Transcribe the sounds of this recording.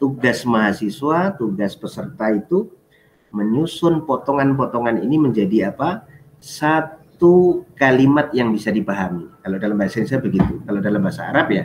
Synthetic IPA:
t̪uɡasmaɦasiswat̪uɡaspəsərt̪ait̪u | məɲusʊnpɔt̪ɔŋanp̬ɔt̪ɔŋanḭniməɲd͡ʒadiapa | sat̪ukalimat̪̚jaŋbisadipaɦamikaladalambasainsabəɡit̪ukaladalambaɦasa̰ːɾap̚ja

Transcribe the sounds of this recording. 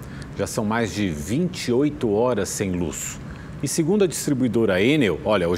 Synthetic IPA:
ʒasɐ̃w̃majzd͡ʒɪvĩnt͡ʃiojt̪ʊɔɾɐsːẽj̃lṵs | ɪseɡũnd̪ʊɐd͡ʒist̪ɾibuid̪oɾɐenewɔʎɐo

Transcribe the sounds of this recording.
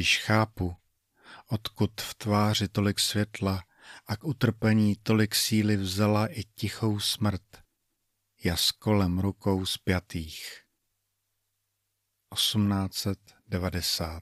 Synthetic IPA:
jɪʃxaːpu | ʔo̞t̪kut̪ft̪vaːrɪt̪o̞lɪksvjɛt̪la | ʔakʔut̪r̩pɛɲiːt̪o̞lɪksiːlɪvzalaʔɪcɪxo̞wsmr̩t̪ | jasko̞lɛmɾuko̞wspjat̪iːx | ʔo̞sumnaːt͡sɛt̪dɛvadɛsaːt̪

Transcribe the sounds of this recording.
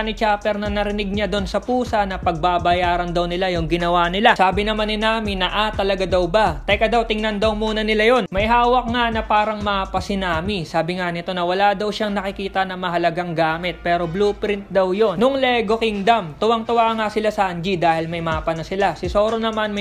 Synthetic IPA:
nɪt͡ʃapɛɾnɐnɐɾɪnɪɡ̚ɲad̪o̞nsɐpuːsɐnɐpɐɡ̚babɐjaːɾɐnd̪ɐwnɪlajʊŋɡɪnɐwanɪlasaːbɪnɐmanɪnaːmɪnːɐʔat̪ɐlɐɡad̪ɐwbat̪ɐjkɐd̪awt̪ɪŋnɐnd̪ɐwmuːnɐnɪlajo̞nmɐʔɪɦaːwɐk̚ŋanɐpaːɾɐŋmɐpɐsɪnaːmisaːbɪŋanɪt̪o̞nɐwɐlad̪ɐwʃaŋnɐkɪkiːt̪ɐnɐmɐɦɐlɐɡaŋɡaːmɪt̪̚pɛːɾo̞bluːpɾɪnt̪̚d̪ɐwjo̞nnʊŋlɛɡo̞kɪŋd̪ɐmt̪ʊwɐŋt̪ʊwaʔŋasɪlasand͡ʒid̪aːhɪlmɐjmapɐnɐsɪlasɪso̞ːɾonɐmanmɐ

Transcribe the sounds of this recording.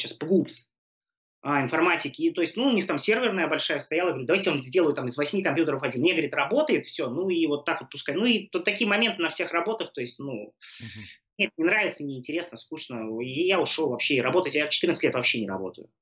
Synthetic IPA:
ɕaspɡupsʲ | aɪnfɐrmatʲɪkʲɪt̪o̞jɪsʲtʲnuʊnʲixt̪amsʲe̞rvʲɪrnəjəbɐlʲʂajəst̪ɐjalˠəɡvɐɾʲid̪ɐvajʲtʲɪonzʲdʲelˠəjʊt̪amɨzvɐsʲmʲikɐmpjut̪əɾəfɐdʲinmjaɡəvəɾʲit̪rɐbo̞t̪əjɪt̪fsʲonuivo̞t̪ːakvot̪̚pʊskajnuit̪t̪ːɐkʲijəmɐmʲe̞nt̪ɨnɐfsʲe̞xrɐbo̞t̪əxt̪o̞jɪsʲtʲnu | nʲet̪̚nʲɪnɾavʲɪt̪sənʲɪːnʲtʲɪɾʲe̞snəskuʂnəijaʊʂovɐpɕːeɾɐbo̞t̪əjɪtjat͡ɕɪt̪ɨɾrnətlʲet̪vɐpɕːenʲɪɾɐ̰bo̞̰t̪ə̰jʊ̰

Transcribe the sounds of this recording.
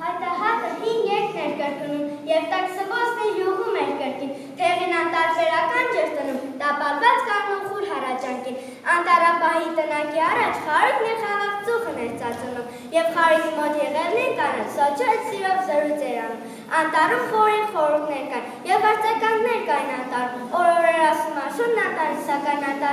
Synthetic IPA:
hɑt̪ɑɦɑt̪əɦiŋɡjɛk̪ʰnɛɾkəɾknumjɛvt̪ɛksəvɔsʰnɛluɦumɛɾkəɾkin | t̪ʰɛʁinɑnt̪ɑɾbɛɾɑkɑnd͡ʒɛɾt̪ənumt̪ɑpɑlvɑt͡skɑnɔχuɾɦɑrɑt͡ʃɑŋkin | ɑnt̪ɑɾɑbɑɦit̪ənɑkiɑrɑt͡ʃʰχɑɾuk̪ʰnɛɾʰɑʁɑkt͡suχənɛɾt͡sɑt͡sunum | jɛvχɑɾut̪ʰimɔt̪jɛʁɛvnɛnk̪ɑnɛnsɔt͡ʃʰɔəsiɾɔvzəɾujt͡sʰɛɾɑnum | ɑnt̪ɑɾumχɔɾɛχɔɾuɾk̪nɛɾkɑjnjɛvːɑɾt͡sʰɑkɑnnɛɾkɑjnɑnt̪ɑɾumɔɾɔɾɛɾɑsumɑʃunnɑt̪ɑɾisʰɑkɑjnɑnt̪ɑ

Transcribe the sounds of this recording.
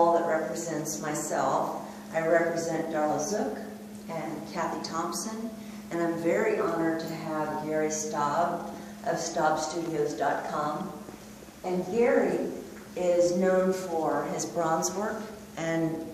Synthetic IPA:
lˠðəʔ̚ɹɛpɹɨzɛ̃ntsmaɪsɛ̰lˠf | ʔaɪɹɛpɹɨzɛ̃nd̥ɑɹl̩ˠzʊk | ɨ̃nkʰæθitʰɑ̃mpsɨ̃n | ɨ̃ñãɪ̃ɱvɛɹiʔɑnə˞d̚tʰɨəvɡɛɹistɑb | ʔʌv̥stɑb̥stʉɾioʊzdɑt̚kʰɑ̃m | ɨ̃nɡɛɹi | ɪznõʊ̃nfə˞ɪzbɹɑ̃nzwɜ˞k | ʔɨ̃n

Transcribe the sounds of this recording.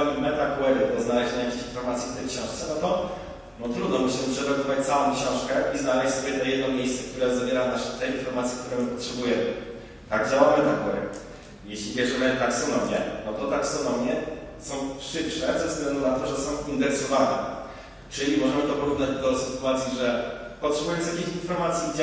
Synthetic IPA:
amimɛt̪akuwɛɾɨd̪ɔznalɛʑɛɲajakʲeɕinfɔɾmat̪sʲjift̪ɛjkɕɔ̃ʂt̪sɛnɔt̪ɔ | nɔt̪ɾud̪nɔmɘɕlɛʂɛɾɔbʲivat͡ɕt̪sawɔ̃w̃kɕɔ̃w̃ʂkɛʔiznalɛɕsɔbʲjɛt̪ɔjɛd̪nɔmʲjejst̪sɛkt̪uɾɛzavʲjɛɾanaʂɛt̪ɛinfɔɾmat̪sʲjikt̪uɾɛmɘpɔtʂɛbujɛmɘ̰ | t̪aɡd͡ʑawamɛt̪akuwɛɾɘ̰ | jeɕlʲijɛʐɛlɛt̪aksɔnɔmʲjɛnɔt̪ɔt̪aksɔnɔmjɛsɔ̃w̃ʂɘpʂɛzɛvzɡlɛnd̪unat̪ɔʐɛsɔ̃w̃ʔind̪ɛɾsɔvanɛ̰ | t͡ʂɘlʲimɔʐɛmɘt̪ɔpɔɾuvnad͡ʑd̪ɔsɘt̪uat̪sʲjiʐɛpɔtʂɛbujɔ̃nsjakʲiçinfɔɾmat̪sʲjid͡ʑ

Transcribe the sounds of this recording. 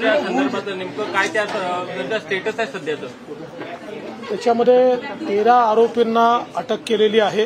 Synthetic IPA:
jasənd̪əɾbʱat͡sənimkəkajt̪janəɡ̪asʈeʈəsajsəd̪ʱjat͡sə | t̪jat͡ɕaməd̪ʱːjet̪eɾaːɾopinːaəʈəkːeleliːaɦe

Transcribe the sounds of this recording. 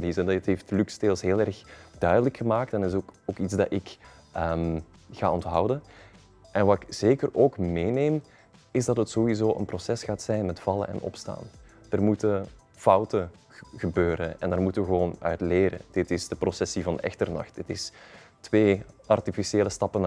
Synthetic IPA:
dizətɦeftlyksteːlˠsɦeːlˠɛrxd̥œɥdələkxəmaːk̚tɛnɪsoːkidzdɑɪk | ʔəm | ɣa̰ːɔntɦʌwdən | ʔɛnʋaːɪkz̥eːkəroːkmeːneːm | ɪzdɑtɦətsowizoːʔə̰nprosɛsxaːtsɛjnmɛtfɑlˠə̰nʔɛ̰nɔ̰psta̰ːn | d̥ərmutə | fɑwtə | ɣəbøːɾənɛ̰ndərmutəʋəɣəʋoːnœ̰ɥtleːɾə̰d̥ɪtɪzdəprosɛsivɑnɛ̰xtərnɑ̰xtdɪtɪs | tʋeːʔɑrtifisieːləstɑpən

